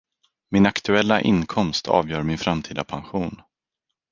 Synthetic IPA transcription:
mɪnakt̪ʰɵɛlːaʔɪ̰nkʰɔmst̪ʰɑ̰ːvjœːɾmɪnfɾamt̪ʰiːd̪apʰanɧuːn

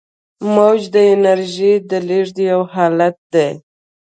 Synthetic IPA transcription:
mawd͡ʒd̪əɪnaɾʒid̪əliʐd̪ijawɦɑlat̪̚d̪e

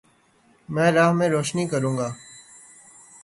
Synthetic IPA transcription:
mɛ̃ːɾaːɦmẽːɾoːʃniːkəɾũːŋɡaː

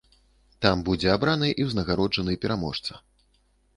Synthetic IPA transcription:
t̪ambud͡zʲɛabɾanɨʔiwznɐɣaɾɔd͡ʐɐnɨjɛpʲɛɾʔamɔʂt̪sɐ

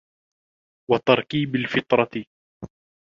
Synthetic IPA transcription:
wɑt̪ɑɾˤkiːbalfɪt̪ˤɾˤɑ

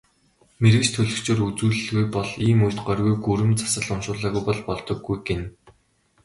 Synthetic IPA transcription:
meɾɘ̆kt͡ɕt̪ʰɵɮɵ̆kt͡ɕʰeːrut͡suːɮɘ̆ɮɣujpɔɮiːmujt̪̚ɢœrɣujɡuɾɘ̆mt͡sḁsə̆ɮʊmʃʊːɮaːɣujpɔɮpɔɮt̪ɞ̆ɡːujɡen

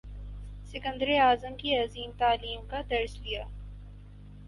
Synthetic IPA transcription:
sɪkə̃nd̪ɾiaːzəmkiɐziːmt̪aːliːmkad̪ɐɾslijaː

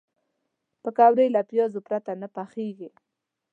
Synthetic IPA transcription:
pəkɑwɾəjlapjɑzopɾat̪anapaxeɡi

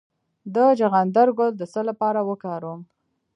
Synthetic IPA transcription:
d̪əd͡ʒaɣand̪aɾɡʊld̪əsəlapɑɾawəkɑɾum

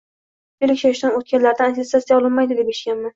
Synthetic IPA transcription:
elɪkʲʃaʃd̪anot̪̚kʲanlaɾd̪anat̪ʰesatsijaɒlˠɪnmajd̪ɪd̪epeʃɡʲanma

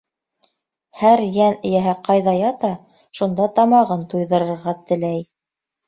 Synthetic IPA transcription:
hæɾjænɘ̆jæɦæqɑjðɑjɑt̪ɑ | ʃund̪ɑt̪ɑmɑʁɤnt̪ujðɤ̆ɾɤ̆ɾʁɑt̪ɘ̆læj

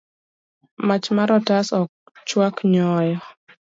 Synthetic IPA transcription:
mat͡ʃmaɾɔtasɔk̚ | t͡ʃwakɲɔjɔ

